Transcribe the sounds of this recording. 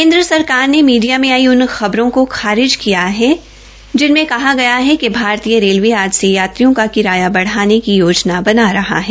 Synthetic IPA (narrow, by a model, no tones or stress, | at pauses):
keːnd̪ɾəsɐɾkaːɾnemiːɖijamẽaːiʊnxɐbɾõkoxaːɾɪd͡ʒkijaɦɛ | d͡ʒɪnmẽkɐɦaɡɐjaɦɛkebʱaːɾt̪ijəɾeːlʋiaːd͡ʒsejaːt̪ɾijõkakɪɾaːjabɐɽ̤aːnekijoːd͡ʒnabɐnaɾɐɦa̰ɦɛː